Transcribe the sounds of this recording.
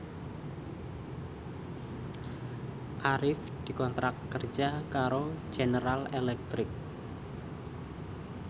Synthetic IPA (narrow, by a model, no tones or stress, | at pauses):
ʔaɾɪf | d̪̥i̤kɔnt̪ɾakːərd͡ʒʒ̥akaɾo̥d͡ʒ̥enəɾalelɛk̚t̪ɾɪk̚